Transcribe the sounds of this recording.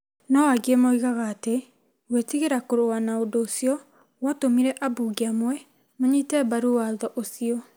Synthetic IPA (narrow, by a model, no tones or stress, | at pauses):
nɔaɡiemoiɣaɣaːte | wetiɣeɾakoɾowanaodoːsiɔ | watomiɾɛʔabuɡiamwɛ | moɲitɛbaɾuwaðɔʔosiɔ